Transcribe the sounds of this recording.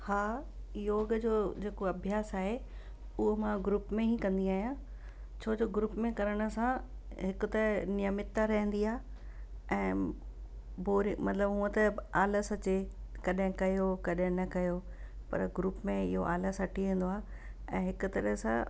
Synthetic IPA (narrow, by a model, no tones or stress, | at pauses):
haː | joːɡd͡ʑoːd͡ʑeːkoɐbʱjaːsaːɦe | ʊɦomãɡɾupmẽɦĩkɐ̃nd̪iaːɦijã | t͡ɕʰoːd͡ʑoːɡɾupmẽkɐɾəɽ̃ə̆sã | ɦɪkʊt̪ɐɾəɦnɪjəmɪt̪ːaɾɐɦə̃nd̪iaː | ɛ̃ː | boːɾimɐt̪ləbɦũə̃t̪ɐaːləsɐt͡ɕekɐɗɦɪ̃kɐjokɐɗɦɪ̃nɐkɐjo | pɐ̰ɾɡɾuːpmẽɪ̰ɦo̰ʔa̰ːləsɐʈʰiʋẽːn̆d̪oaː | ɛ̃ːɦɪkʊt̪ɐɾəɦsã̰